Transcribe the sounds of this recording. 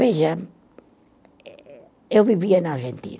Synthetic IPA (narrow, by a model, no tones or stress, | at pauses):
eʒɐ | ewviviɐnaɾʒẽnt̪ḭ